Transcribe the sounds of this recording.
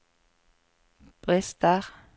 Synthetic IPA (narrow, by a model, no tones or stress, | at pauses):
b̥ʁɛst̪əʁ